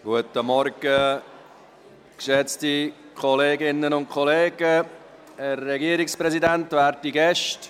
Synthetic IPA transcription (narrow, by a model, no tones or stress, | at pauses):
ɡ̥uətəmɔɾɡ̥ə | kʃɛt͡sti | kʰɔleːɡɪnːənʊnt̚kʰɔleːɡə | ɛrːɛɡiːɾɪkspɾɛzidɛntvæːɾtiɡɛʃt